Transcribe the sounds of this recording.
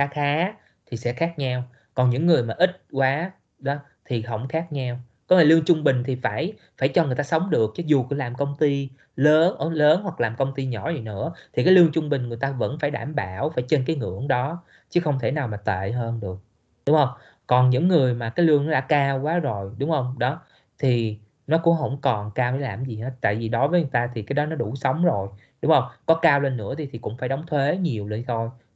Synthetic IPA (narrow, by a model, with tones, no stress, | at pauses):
xaː˨˦xaː˨˦ | t̪ʰi˨˩sɛ̰˧˥xaː˦˥k̚ɲa˧w | kɔ˨˩nɲɨ̰˧˥ŋːɨ˨˩əjmaː˨˩ʔi˦˥t̚kwaː˨˦ | ɗɔ˨˦ | t̪ʰi˨˩ɦə̰˧˩wŋ͡mxaː˦˥k̚ɲa˧w | kɔ˨˦ne˧˩lɨ˧əŋt͡ɕʊ˧ŋ͡mɓï˨˩ŋ̟t̪ʰi˨˩faː˧˩j | faː˧˩jt͡ɕɔ˧ŋɨ˨˩jt̪aː˧sə˨˦wŋ͡mɗɨ˨˩ək̚t͡ɕɔ˨˦zu˨˩kɨ˧˩˦laː˨˩mkə˧wŋ͡mt̪i˧ | ləː˨˦nʔəː˧˦ləː˨˦nhwa˨˩k̚laː˨˩mkə˧wŋ͡mt̪i˧ɲɔ̰˧˩zi˨˩jnɨ̰˧˥ət̪ʰi˨˩k̬aː˨˦jlɨ˧əŋt͡ɕʊ˧ŋ͡mɓï˨˩ŋ̟ŋɨ˨˩əjt̪aː˧və̰˧˥nfaː˧˩jɗaː˧˩mɓaː˧˩wfaː˧˩jt͡ɕe˧nkaː˨˦jŋɨ̰˧˥əŋɗɔ˨˦ | t͡ɕɨ˨˦xə˧wŋ͡mt̪ʰe˧˩naː˨˩wmaː˨˩t̪ḛ˧˨ɦəː˧nɗɨ˨˩ək̚ | ɗʊ˨˦ŋ͡mhə˧wŋ͡m | kɔ˨˩nɲɨ̰˧˥ŋːɨ˨˩əjmaː˨˩kaː˨˦jlɨ˧əŋnɔ˨˦ɗa̰ː˧˥kaː˧wkwaː˨˦zo˨˩jɗʊ˨˦wŋ͡mhə˧wŋ͡mɗɔ˨˦ | t̪ʰi˨˩ | nɔ˨˦kʊ̰˧˥ŋ͡mɦə̰˧˥wŋ͡mkɔ˨˩nkaː˧wha˧˨˦laː˨˩mzi˨˩ha̰ː˨˦t̪a̰ː˧˨jvi˨˩ɗɔ˨˦vəː˨˦jɲ˨˩jt̪aː˧t̪ʰi˨˩kaː˨˦jɗɔ˨˦nɔ˨˦ɗu˧˩sə˨˦wŋ͡mzo˨˩j | ɗʊ˨˦ŋ͡mhə˧wŋ͡mkɔ˨˦kaː˧wle˧nːɨ̰˧˥ət̪ʰi˨˩t̪ʰi˨˩kʊ̰˧˥ŋ͡mfaː˧˩jɗə˨˦wŋ͡mt̪ʰwe˨˦ɲi˨˩əwlə˧˩t̪ʰo˧j